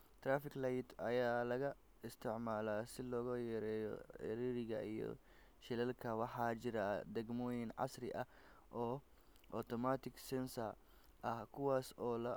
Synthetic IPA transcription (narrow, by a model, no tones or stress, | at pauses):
t̪ɾaːfɪklajt̪ʰɐjaːlɐɣɐ | ɪst̪ʰɪʕmaːlaːsɪlɔːɣɐjɛɾɛːjɔ̰ħɪ̰ɾiːɾɪɣɐijɔ̰ | ʃɪlɛlkʰɐwɑħɑːt͡ʃɪɾad̪ɛɡmɔːjɪnʕɑ̰srɪʔɐ | ʔɔː | ʔɔt̪ʰɔmaːt̪ʰɪɡsɛnsɐr | ʔɐhkʰʊwaːsɔːlɐ